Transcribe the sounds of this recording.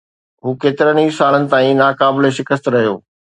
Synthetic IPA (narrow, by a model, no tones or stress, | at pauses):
ɦuːkeːt̪ɪɾəniːsaːlənɪ̆t̪aːĩnaːkaːbɪleʃɪkəst̪ɾɐɦijoː